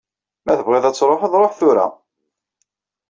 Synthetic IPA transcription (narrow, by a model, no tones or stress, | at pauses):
mæθəbʁeðˤæt͡sːɾˤofəðˤɾˤoħθʊɾæ̰